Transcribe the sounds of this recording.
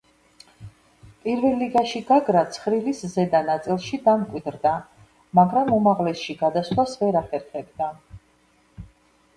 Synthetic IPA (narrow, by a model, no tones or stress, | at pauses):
pʼiɾvɛlːiɡaʃiɡaɡɾat̪sʰχɾiliszɛd̪anat̪sʼilˠʃid̪amkʼwid̪ɾd̪a | maɡɾamumaʁlɛsʃiɡad̪aswasvɛɾaχɛɾχɛbd̪a